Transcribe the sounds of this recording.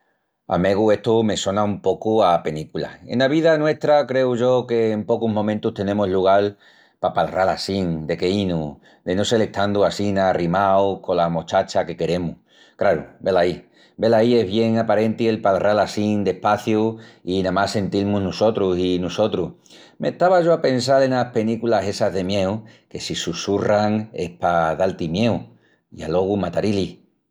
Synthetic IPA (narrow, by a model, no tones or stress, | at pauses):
a̰me̞ɣue̞ht̪ume̞so̞naumpo̞kuape̞likula̰ḛnaβiðanwe̞st̪ɾakɾe̞uʝo̞ke̞ːmpo̞kuɦmõ̞mẽnt̪uht̪e̞nẽ̞moɦluɣ̞al | papalrala̰siŋd̪e̞ke̞inu | d̪e̞nose̞le̞kt̪and̪uasinarimaoko̞lamo̞t͡ʃat͡ʃake̞ke̞ɾe̞muh | kɾaɾube̞lai | be̞laie̞ɦβje̞ŋapaɾẽ̞nt̪ie̞lpalrʔalasiŋd̪e̞hpaθjuinãmase̞nt̪ilmũnuso̞t̪ɾusinuso̞t̪ɾuh | me̞̰ht̪aβaʝo̞ape̞ns̬alenape̞nikulase̞saɦðe̞mje̞uke̞sisusuraŋe̞hpaðalt̪imje̞u | ḭa̰lo̞ɣ̞umat̪aɾili